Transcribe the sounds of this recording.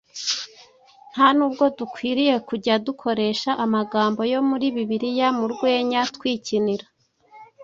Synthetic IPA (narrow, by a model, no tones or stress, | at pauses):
n̥hanuːb̚ɡo̞dukwiːɾije̞kuɟadukʰo̞ɾe̞ːʃaʔamaɡaːmbo̞jo̞muɾiβiβiɾijamuɾɡwe̞ːɲatkwiːciniɾa